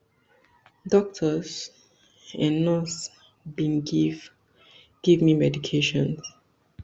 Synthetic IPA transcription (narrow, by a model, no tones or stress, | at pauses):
dɔk̚tʰəs | ɛ̃nnɔs | bĩnɡiv | ɡ̥ivmĩmɛdikʰeʃɔ̃ns